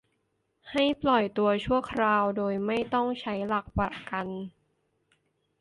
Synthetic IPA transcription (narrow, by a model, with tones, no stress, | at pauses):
ha˥˩jplɔ˨˩jt̪u˧ɐt͡ɕʰu˥˩ɐəkʰɾaː˧wdoː˧jma˥˩jt̪ɔ˥˩ŋt͡ɕʰa˦˥jla˨˩k̚pa˨˩ka˧n